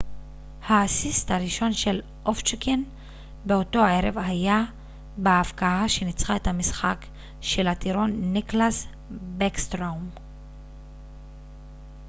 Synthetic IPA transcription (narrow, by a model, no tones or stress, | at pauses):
haːsisthaɾiʃo̞nʃe̞l | ʔoft͡ʃiken | beoto̞ae̞ɾevɦaja | beːfkaaʃe̞nit͡sʁaethamisχak | ʃe̞lhat̪iɾo̞nːiklas | bekst̪ʁawm